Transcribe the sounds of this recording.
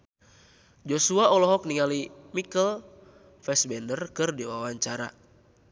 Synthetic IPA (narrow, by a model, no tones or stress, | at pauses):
d͡ʒosuaɔlɔɦɔk̚niŋalimikəl | fɛsbɛndərkɨrdiwawaɲt͡ʃaɾa̰